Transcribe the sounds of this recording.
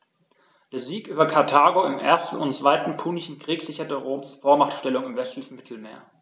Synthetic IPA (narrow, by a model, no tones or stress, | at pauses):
d̥eːɐziːkʔyːbɐkʰaɐtʰaːɡoɪmʔḛːɐstn̩ʊnt͡sv̥aɪtn̩pʰuːnɪçn̩kʁ̥iːkz̥ɪçɐtəʁoːmsfoːɐmaχtʃtɛlʊŋɪmvɛstlɪçn̩mɪtʰl̩mḛːɐ